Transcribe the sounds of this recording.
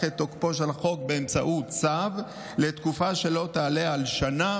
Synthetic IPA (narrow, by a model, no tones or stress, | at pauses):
et̪ːokpo̞ʃalχo̞k̚be̞ːmt͡saʔutt͡sav | le̞t̪kufaʃe̞lo̞t̪aːleaalʃana